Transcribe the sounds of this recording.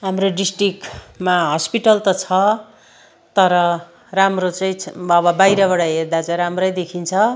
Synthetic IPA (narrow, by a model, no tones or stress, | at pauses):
ɦamroɖisʈrikmaɦʌspiʈʌlt̪ʌt͡sʰʌ | t̪ʌɾʌ | ramrot͡sʌĩʌβʌbajɾʌβʌɽʌɦerd̪at͡sʌɾamrʌjd̪ekʰint͡sʰʌ